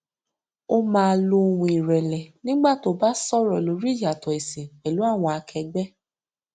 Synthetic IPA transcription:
o˦mãː˧lo˧wũ˧i˨ɾɛ˨lɛ˨nĩ˦ɡ͡ba˦˨to˨˦ba˦sɔ˦ɾɔ˨lo˨˦ɾi˦ja˨tɔ˨e˨se˨k͡pɛ˨lu˨˦a˦˨w̃ɔ̃˧a˧kʰɛ˧ɡ͡bɛ˦

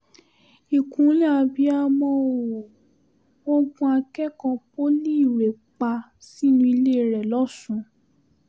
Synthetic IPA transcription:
i˨kũ˨˦lĩ˦a˧bi˦a˧mɔ̃˧˦o˨ | o˦ɡũ˧˦a˧kɛ˦kɔ̃˧po˦li˦i˦˨ɾe˨ | k͡pa˧ | si˦nũ˧˦i˧le˦˨ɾɛ˨lɔ˦sũ˧˦

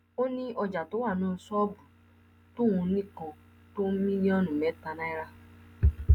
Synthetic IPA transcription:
o˦nĩ˦ʔɔ˧d͡ʒa˨to˨˦wa˦˨nɔ̃˦˨˧sɔ˦bu˨ | to˦˨ũ˧nĩ˦˨kɔ̃˧ | to˦mĩ˦li˦ɔ˦nũ˨mɛ˨˦ta˧nã˦i˦ɾa˦

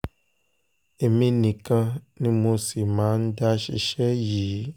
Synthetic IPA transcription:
e˨mĩ˦nĩ˨kə˦nĩ˦mũ˦si˨mã˨˦n̩˦da˦ʃḭ˨ʃɛ˦jiː˨˦

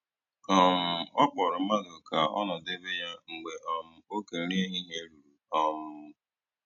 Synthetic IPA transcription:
ɔ˦m̩˨˦ɔ˦k͡pɔ˨ɾʊ˨ma˦ɡʊ˨ka˨ɔ̰˦nɔ˨de˦be˦ja˦ŋ̩˨ɡ͡be˨ʔɔ˦m̩˦o˦ke˨ɾe˦ɦi˦ɦe˦ɾu˨ɾu˨ɔ˦m̩˦

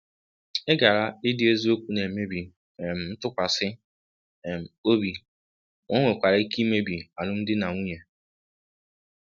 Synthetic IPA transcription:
e˦ɡa˨ɾa˦ɪ˦dɪ˦e˦zu˦o˦kʷu˦ne˨me˦bi˨ | e˨m̩˨n̩˦tʊ˦kʷa˨sɪ˦˨ | m̩˨o˦bi˨ | o˦ŋʷe˨kʷa˨ɾa˦i˦ki˦me˦bi˨a˨nʊ˦n̩˦dɪ˦na˨ŋʷu˦ɲe˨

